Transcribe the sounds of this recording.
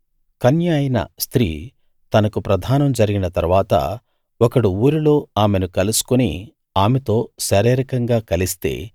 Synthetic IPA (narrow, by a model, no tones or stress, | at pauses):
kɐnjaːjɐnɐ̰st̪ɾiː | t̪ɐnɐkupɾɐd̪ʱaːnɐmd͡ʒɐɾiɡinɐt̪ɐɾʋaːt̪ɐ̰ | ɔkɐɽuuːɾilo̞ːaːme̞nukɐlusu̥kunḭ | aːmet̪o̞ːʃɐɾeːɾɐkɐŋɡaːkɐlist̪e̞̰ː